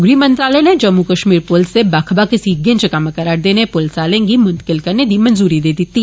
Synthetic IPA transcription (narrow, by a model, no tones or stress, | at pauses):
ɡɾimɐ̃nt̪ɾaːlɛned͡ʒɐmːukɐʃmiːɾpʊlsebaːkʰbakesiɡẽnt͡ʃəkaməkɐɾaːɽd̪eːnepʊlsaːlẽːŋɡimʊ̃nt̪ə̥kɪlkɐɾned̪imɐnzuːɾid̪eːd̪ɪt̪ːiː